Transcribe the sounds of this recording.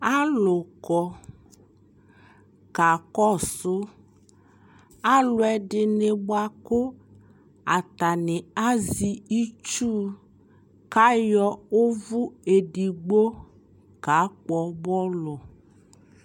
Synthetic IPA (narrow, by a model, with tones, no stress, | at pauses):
a˦lʊ˨kɔ˨ | ka˨kɔ˦sʊ˦ | a˦lʊ˨ɛ˨ɖɪ˨nɪ˨bʊ˦a˨kʊ˦ | a˨t̪a˨nɪ˨a˦zi˨i˦t͡ʃuː˦ | ka˦jɔ˦ʊ˦vʊ˦e˨di˨ɡ͡bo˦ | ka˨˦k͡pɔ˨bɔ˦lɔ˨